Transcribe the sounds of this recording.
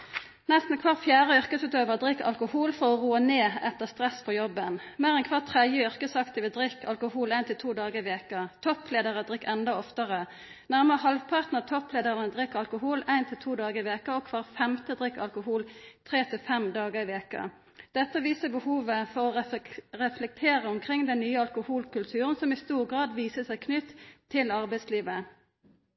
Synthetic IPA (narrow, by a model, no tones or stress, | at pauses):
nɛst̪n̩kʰʋɑʁfjæːʁəʏʁkəsʉːt̪øːʋəʁd̪ʁɪkːɑ̰lkʊhuːlfɔʁɔʁuːəneːɛt̪ːəʁst̪ʁɛspʰɔjɔbːənmeːʁɛnkʰʋɑʁt̪ʰʁɛd̪jəʏʁkəsɑkt̪əʋɛd̪ʁɪkːɑ̰lkʊhuːlæɪnt̪ʰɪlt̪ʰuːd̪ɑːɡəɪʋeːkət̪ʰɔpleːd̪əʁəd̪ʁɪkːɛnd̪ɑɔft̪əʁə | næʁməʁɦɑlʋpʰɑʁt̪nəʁt̪ʰɔpleːd̪əʁənəd̪ʁɪkːɑlkʊɦuːlæɪnt̪ʰɪlt̪ʰuːd̪ɑːɡəɪʋeːkəɔkʰʋɑːʁfɛmt̪əd̪ʁɪkːɑ̰lkʊɦuːlt̪ʰʁeːt̪ʰɪfɛmd̪ɑːɡəɪʋeːkə̰ | d̪̥ɛt̪ːəʋiːsəbəhuːʋəfɔʁɔʁɛflɛk̚t̪ʰeːʁəɔmkʰʁɪŋd̪ɛnːyːəɑlkʊhuːlkʉlt̪ʰʉːʁənsɔmɪst̪uːʁɡʁɑːd̪ʋiːsəsæɪkʰnʏt̪ʰːɪlɑʁbæɪsliːʋə